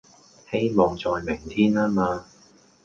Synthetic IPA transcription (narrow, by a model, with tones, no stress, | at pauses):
he˥jmɔː˨ŋt͡sɔː˨jmɪ˨˩ŋt̪ʰiː˥naː˥maː˧